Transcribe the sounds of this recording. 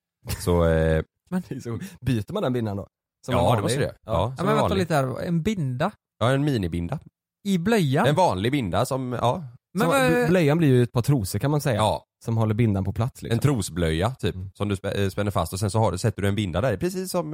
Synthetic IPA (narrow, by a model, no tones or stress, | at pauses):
sɔ | mɛnɛsɔbyːt̪əɾmand̪ɛnbɪnd̪and̪ɔ̰ | sɔmːdɛmɔəɾ̰ɑːmɛnɛaliːt̪ədæːɾ̰ɛ̰nbɪnd̪a | jɑːɛnmiːnɪbɪnd̪a | ɪblœjːaɛnvɑːnlɪɡbɪnd̪asɔmɑːmɛblœjːanblɪɾjɵɛt̪̚pʰɑːt̪ʰɾuːsəɾkʰanmansɛjːaɑː | sɔmɦɔlːəɾbɪnd̪anpʰɔpʰlat̪slɪ̰kɛnsɔt̪ʰɾuːsblœjːat̪ʰyːpsɔmd̪ɵspspɛnːəɾfa̰st̪ɔsɛnsɔhaɖsɛt̪ːəɖɵɛnbɪnd̪ad̪æɾɪpʰɾɛsiːsːɔm